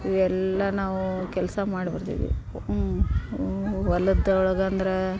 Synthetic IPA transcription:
iʋɛlːɐnaːʋukɛlɐsɐmaːɽbɐɾt̪ḭːʋḭ | ʋɐlːɐd̪ɐɔɭɐɡɐɐnd̪ɐɾe

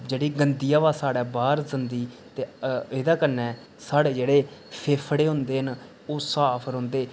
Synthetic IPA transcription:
d͡ʒeːɽiːɡənd̪ijaːʋaːsaːɽɛːbaːɾzənd̪iːt̪eːeːd̪aːkənːɛ̃ː | saːɽeːd͡ʒeːɽeːpʰeːpʰɽeːɦʊ̃nd̪eːɦən | oːsaːpʰəɾɦʊ̃nd̪eː

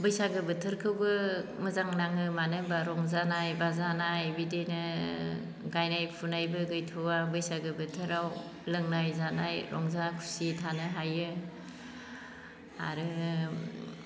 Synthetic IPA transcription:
bɯjsaɡɯbɯtʰɯɾkʰɯwbɯmɯzaŋnaŋɯmanɯbaɾɔŋzanajbazanajbidenɯ | ɡajnajpʰunajbɯɡɯjtʰɔabɯjsaɡɯbɯtʰɯɾaw | lɯŋnajzanajɾɔ̰ŋzakʰu̥sitʰanɯɦajɯ | a̰ɾɯ

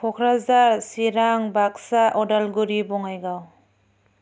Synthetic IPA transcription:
kʰɔkʰɾazaɾsiɾaŋbak̚saʔɔdalɡuɾibɔŋajɡaw

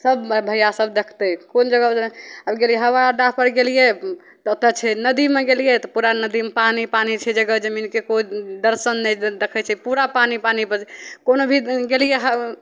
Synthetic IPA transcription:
səbbʱəjasəb̚d̪ekʰt̪ɛkond͡ʒəɡəəbɡelijeɦəwaɖapəɾɡelije | t̪ɔot̪ət͡ʃʰɛnəd̪imeɡelijet̪ɔpuɾanəd̪impanipanit͡ʃʰɛd͡ʒəɡəd͡ʒəminkekoid̪əɾsənːɛd̪ekʰɛt͡ʃʰɛpuɾapanipanipəɾʰkonobʱiɡelijeɦə

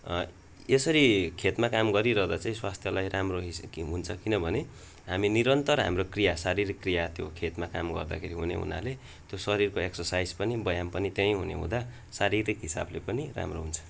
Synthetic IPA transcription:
esʌɾikʰet̪makamɡʌɾiɾʌɦd̪at͡saĩswast̪ʰjʌlajramroɦiɦunt͡sʰʌkinʌbʱʌne | ɦaminiɾʌnt̪ʌrɦa̰mrokrijasaɾiɾikːrijat̪jokʰet̪makamɡʌ̰rd̪a̰kʰeɾiɦunḛɦṵna̰le | t̪josʌɾirkoeksʌrsajd͡zpʌnibʌjampʌnit̪jʌj̃ɦunḛɦṵ̃d̪a | saɾiɾikɦisa̰blepʌnira̰mroɦunt͡sʰʌ̥

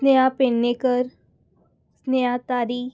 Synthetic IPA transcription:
sneapenːekəɾ | snejat̪aːɾiː

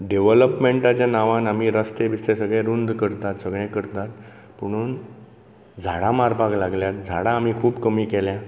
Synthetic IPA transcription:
ɖeʋləpmeɳʈat͡ɕjanaʋãnam̤iːɾəst̪ebist̪esəɡɭɛ̃ɾund̪kəɾt̪at̪səɡɭɛ̃kəɾt̪at̪ | puɽ̃uːn | d͡zʱaɽamaɾpaklaɡljat̪̚d͡zʱaɽaːm̤iːkʰuːbkəmiːkɛlja

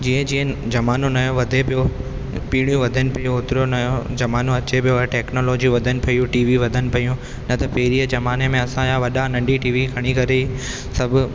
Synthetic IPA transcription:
d͡ʑiːɦə̃d͡ʑiːə̃d͡ʑɐmaːnonɐjoʋɐd̪ʱepijo | piːɽ̃ijũʋɐd̪ʱənɪpɐjũoːt̪ɪɾonɐjod͡ʑɐmaːnõɐt͡ɕepijoʈɛːknoːloːd͡ʑiʋɐd̪ʱənɪ̆pɐijũʈiːʋiʋɐd̪ʱənɪ̆pɐjũ | nɐt̪ɐpeːɾiːəd͡ʑɐmaːnemẽɐsãjãʋɐɗanɐ̃ɳɖiʈiːʋiɡʱɐɽ̃ikɐɾei | sɐbʱʊ

